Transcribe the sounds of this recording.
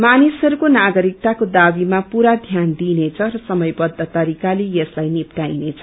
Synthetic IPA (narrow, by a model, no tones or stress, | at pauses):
manisɦʌɾukonaɡʌɾik̚t̪akod̪abimapuɾad̪ʱjand̪inet͡sʰʌrʌsʌmʌjbʌd̪ʱːʌt̪ʌɾikalejʌslajnipʈajnet͡sʰʌ̥